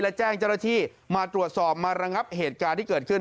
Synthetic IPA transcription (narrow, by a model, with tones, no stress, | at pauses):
lɛ˦˥t͡ɕɛː˥˩ŋt͡ɕaː˥˩naː˥˩t̪ʰiː˥˩ | maː˧t̪ɾu˨˩ət̪̚sɔː˨˩p̚maː˧ɾa˧ŋa˦˥p̚heː˨˩t̪̚kaː˧nt̪ʰiː˥˩kɤː˨˩t̪̚kʰɯ˥˩